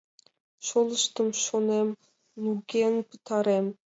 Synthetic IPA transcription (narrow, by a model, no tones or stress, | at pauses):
ʃolˠəʃt̪əmʃonem | nuɡʲenpu̥t̪ʰɑɾem